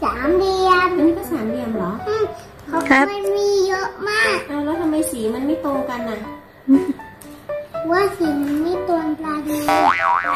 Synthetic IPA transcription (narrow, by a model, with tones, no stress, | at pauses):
saː˩˦mdi˧əma˧niː˦˥kɔː˥˩saː˩˦mdi˧əmlɔː˩˦ʔa˧˥˩ | kʰa˨˦wkʰɔ˦˥ma˧nmiː˧jo˦˥ʔmaː˥˩k̚aː˧˩wlɛː˦˥t̪ʰa˧mːa˧jsiː˩˦ma˧nma˥˩jt̪oː˧ŋka˧nːa˨˩˧ | waː˥˩si˨˩n˧ma˥˩jt̪u˧ənplaː˧diː˧